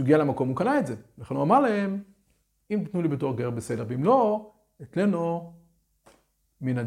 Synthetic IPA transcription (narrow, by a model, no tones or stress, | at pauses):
ɡialemako̞mukanaetzevlaχenuamaʁlae̞m | imtit̪nulibeto̞ʁɡeʁbese̞de̞ʁveimlo̞ | et͡sleno | minad